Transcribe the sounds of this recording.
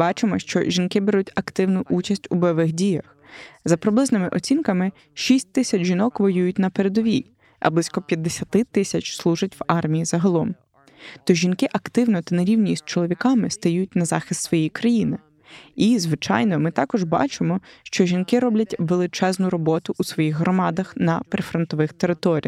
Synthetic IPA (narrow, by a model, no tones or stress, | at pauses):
bɑt͡ʃɪmɔʃt͡ʃɔ̰ʒʲinkɪbeɾutʲɐkt̪ɪwnʊʔut͡ʃɐsʲtʲubɛʋɪxdʲijɐx | zɐpɾɪblˠɪznɪmɪʔɔt͡sʲinkɐmɪ | ʃisʲt̚ʲt̪ɪsʲɐt͡ʃʒinɔkʋɔjujʊt̚ʲnɐpeɾed̪ɔʋʲij | ʔɐ̰blˠisʲkɔpʲjɐd̪ːesʲɐt̪ɪt̪ɪsʲɐt͡ʃslˠuʒɐtʲwɑrmʲijizɐɦɐlˠɔm | t̪ɔʒʲinkɪʔɐkt̪ɪwnɔt̪ɐnɐɾʲiwnʲist͡ʃɔlˠɔʋʲikɑmɪst̪ɐjut̚ʲnɐzɑ̰xɪst̪sʋɔjejkɾɐjinɪ | izʋɪt͡ʃɑ̰jnɔmɪt̪ɑkɔʒbɑ̰t͡ʃɪmɔʃt͡ʃɔʒʲinkɪɾɔblʲɐtʲʋelˠɪt͡ʃɛznʊɾɔbɔt̪ʊʔusʋɔjiɣɦɾɔmɑd̪ɐxnɐpɾefɾɔnt̪ɔʋɪxt̪eɾɪt̪ɔɾʲḭjɐ